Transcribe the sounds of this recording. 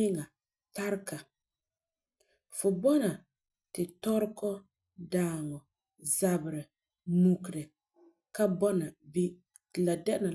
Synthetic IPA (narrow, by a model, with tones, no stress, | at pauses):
ɪ˦ŋa˨ | ta˦ɾka˨ | fʊ˨bɔ˦na˨ | tɪ˨tɔ˦ɾkɔ˦ | daː˦˨ŋɔ˨ | za˨bɪ˨ɾɪ˨ | mu˨kɾɪ˨ | ka˦bɔ˦na˨bi˦ | tɪ˨la˨dɛ˦ʔɪ˦na˨